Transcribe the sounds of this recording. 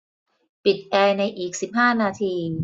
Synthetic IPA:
pi˨˩t̪̚ʔɛː˧na˧jʔiː˨˩k̚si˨˩p̚ɦaː˥˩naː˧t̪ʰiː˧

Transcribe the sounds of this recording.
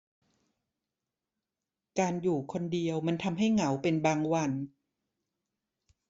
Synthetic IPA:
kaː˧njuː˨˩kʰo˧ndi˧əwma˧nt̪ʰa˧mɦa˥˩jŋa˩˦wpe˧nbaː˧ŋwa˧n

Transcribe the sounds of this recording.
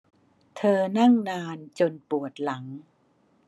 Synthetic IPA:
t̪ʰɤː˧na˥˩ŋnaː˧nt͡ɕo˧npu˨˩ət̪̚la˩˦ŋ

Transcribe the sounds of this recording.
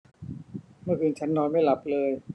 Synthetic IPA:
mɯ˥˩ɐkʰɯː˧nt͡ɕʰa˦˥nːɔː˧nma˥˩jla˨˩p̚lɤː˧j

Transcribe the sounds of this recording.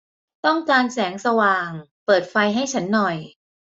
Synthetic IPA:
t̪ɔ˥˩ŋkaː˧nsɛː˩˦ŋsa˧waː˨˩ŋpɤː˨˩t̪̚fa˧jɦa˥˩jt͡ɕʰa˦˥nːɔ˨˩j

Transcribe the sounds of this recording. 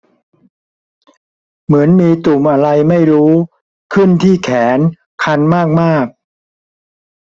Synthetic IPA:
mɯ˩˦ənmiː˧t̪u˨˩mʔa˧ɾa˧jma˥˩jɾuː˦˥ | kʰɯ˥˩nt̪ʰiː˥˩kʰɛː˩˦n | kʰa˧nmaː˥˩k̚maː˥˩k̚

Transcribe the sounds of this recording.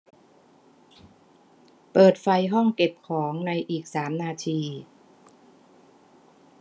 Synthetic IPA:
pɤː˨˩t̪̚fa˧jɦɔ˥˩ŋke˨˩p̚kʰɔː˩˦ŋna˧jʔiː˨˩k̚saː˩˦mnaː˧t̪ʰiː˧

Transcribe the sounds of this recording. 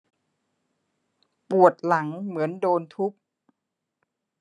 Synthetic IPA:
pu˨˩ət̪̚la˩˦ŋmɯ˩˦əndoː˧nt̪ʰu˦˥p̚

